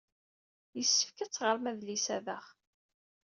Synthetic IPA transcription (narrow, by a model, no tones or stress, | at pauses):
jəsːə̥fkət͡sːʁəɾˤmæðlisæðəχ